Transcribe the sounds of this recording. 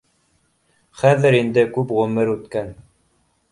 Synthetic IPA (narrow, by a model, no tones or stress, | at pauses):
χæðɘɾind̪ɘkʉpʁɵ̆mɘɾʉt̪kæn